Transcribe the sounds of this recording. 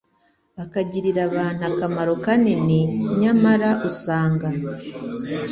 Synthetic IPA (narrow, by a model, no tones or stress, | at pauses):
βakaɟiɾiɾaβaːn̥uakamaɾo̞kaneneɲamaɾaʔusaːŋɡa